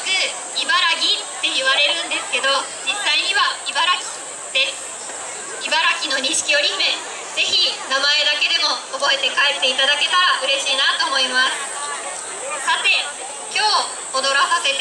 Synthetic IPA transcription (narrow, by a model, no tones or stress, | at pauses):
zɨ | ibaɾaɡʲitt̪ːe̞jɯβaɾe̞ɾɯ̟̃nd̪e̞sɨ̥ke̞d̪o̞d͡ʑisːaiɲ̟iβaibaɾakʲi̥ | d̪̥esɨ̥ | ibaɾakʲino̞ɲ̟ĩɕi̥kʲio̞ɾʲimẽ | ze̞çinamae̞d̪ake̞d̪e̞mo̞ːbo̞e̞t̪e̞kaet̪ːe̞it̪ad̪ake̞t̪aɾaʔɯ̟ɾe̞ɕiːnat̪o̞ːmo̞imasɨ̥ | sat̪e̞ | kʲo̞ː | od̪o̞ɾasase̞t̪